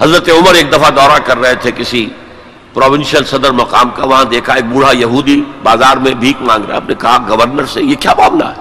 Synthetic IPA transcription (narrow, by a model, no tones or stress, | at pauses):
ɦɐzɾət̪eʊməɾeːk̚d̪ɐfʰad̪ɔːɾakɐɾːəɦet̪ʰekɪsi | pɾɔːʋɪnsijəlsɐd̪əɾmɐqaːmkaʋɐɦãd̪eːkʰaeːk̚buːɽ̤ajɐɦuːd̪ibaːzaːɾmẽbʱiːkmãːŋɡɾa̰ɦɛɐp̚nekɐɦaɡəʋəɾnəɾsejekjaːmaːmna̰ɦɛ